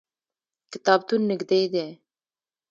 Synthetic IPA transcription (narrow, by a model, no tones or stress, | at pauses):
kɪt̪ɑːb̚t̪unːɨɡd̪ejd̪e